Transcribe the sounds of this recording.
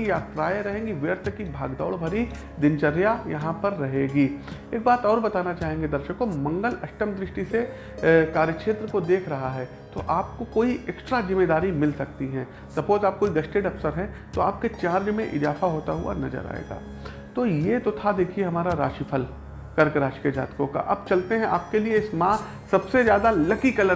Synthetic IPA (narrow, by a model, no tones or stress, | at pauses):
ijaːt̪ɾaːjeɾɐɦẽːŋɡiʋəɾt̪ʰkibʱaːɡd̪a̰ːɭbʱɐɾi | d̪ɪnt͡ʃɐɾjajɐɦãpɐɾːɐɦeːɡiːeːk̚baːt̪ɔːɾbɐt̪aːnat͡ʃaːɦẽːŋɡed̪ɐɾʃəkːomɐ̃ŋɡəlɐʃʈəmd̪ɾɪʃʈise | kaːɾjəkʃeːt̪ɾəkod̪eːkʰɾɐɦaɦɛː | t̪o̰ʔaːp̚kokoːiʔɛksʈɾazɪmːeːd̪aːɾimɪlsɐk̚t̪iɦɛ̃ː | sɐpoːd͡ʒ̪aːp̚koːiɡɐʃʈeːɖɐpsəɾɦɛ̃ | t̪oaːp̚ket͡ʃaːɾd͡ʒmẽʔɪ̰zaːfaɦoːt̪aɦʊ̰a̰nɐzə̰ɾa̰ːḛːɡa̰ː | t̪ojet̪ot̪ʰad̪eːkʰieɦɐmaːɾaɾa̰ːʃipʰəl | kɐɾkɾaːʃked͡ʒa̰ːt̪kõka̰ʔɐ̰b̚t͡ʃɐlt̪eɦɛ̃ʔaːp̚kelieɪsmã | sɐbsezjaːd̪alɐkikɐlə